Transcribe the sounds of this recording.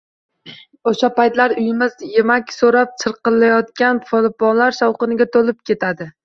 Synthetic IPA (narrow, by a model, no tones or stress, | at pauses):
oʃapajt̪laɾʊjɪmɪzje̞makʲsoɾap̚t͡ʃʰɨɾqɨlːajɒt̪̚kʲanfolˠɪpɒnlaɾʃɒwqɨnɪɡʲat̪ʰolɪp̚kʲʰe̞t̪ʰad̪ɪ